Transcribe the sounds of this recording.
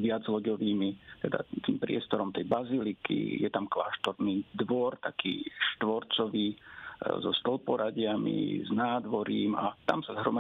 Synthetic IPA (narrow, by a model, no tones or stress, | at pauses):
ʋɪad͡zlɔɟɔʋiːmit̪ɛd̪a̰t̪iːmpɾɪɛst̪ɔɾɔmt̪ɛjbazilikḭjɛt̪amkla̰ːʃt̪ɔɾniːd̪ʋɔɾt̪akḭːʃt̪ʋɔɾt͡sɔʋiːzɔst̪ɔlpɔɾaɟɪamḭznaːd̪ʋɔɾiːmat̪a̰msazɦɾɔma